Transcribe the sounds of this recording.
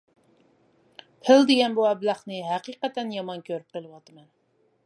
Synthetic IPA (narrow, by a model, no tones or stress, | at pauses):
pʰɪld̪eɡʲɛnbuɛblɑχnɨɦæqiqɛt̪ɛnjɑmɑnkʲʰøɾyp̚qəlˠɨwɑt̪ɨmɛn